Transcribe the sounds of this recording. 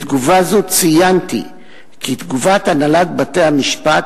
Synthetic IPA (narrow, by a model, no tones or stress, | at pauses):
t̪ɡuvazut͡sijant̪ḭ | kit̪ɡuvat̪analat̪̚bat̪ejhamiʃpat̪